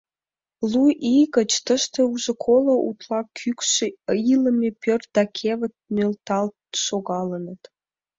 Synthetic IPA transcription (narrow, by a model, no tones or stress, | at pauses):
luʔiɣə̆t͡ɕt̪əʃt̪ĕuʒɤ̆kʰoloʔṵt̪lɑkʰykʃeəjlə̆mʲepør̚d̪̥ɑkʲʰeβə̆t̪̚nølt̪ɑlt̪ʃoɣɑlənət̪